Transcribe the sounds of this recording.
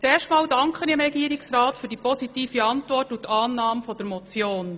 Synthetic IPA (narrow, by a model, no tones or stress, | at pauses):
t͡seːɾʃtmɑːldɑŋkχəniɪmɾɛɡiːəɾɪksrɑːtfyːɾdipɔsitiːfiɑntʋɔrtutʰɑːnːɑːmfɔdəɾmɔt͡sjoːn